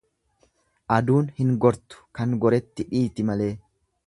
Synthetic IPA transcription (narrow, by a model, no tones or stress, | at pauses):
ʔɐd̪uːnhɪŋɡɔɾt̪ʊ̥kɐŋɡɔɾɛt̪ːɪᶑiːt̪ɪmɐle̞ː